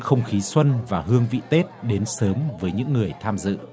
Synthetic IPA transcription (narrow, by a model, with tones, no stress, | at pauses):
xə˧wŋ͡mxi˨˦swə˧nvaː˨˩ɦɨ˧əŋvḭ˧˨t̪e˦˥t̚ɗe˨˦nsəː˨˦mvəː˨˦jɲɨ̰˧˥ŋːɨ˨˩əjt̪ʰaː˧mzɨ̰˧˨